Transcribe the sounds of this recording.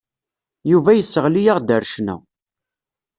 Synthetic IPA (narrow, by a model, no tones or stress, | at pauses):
juvæjəsːəʁlijaʁd̪əɾʃnæ̰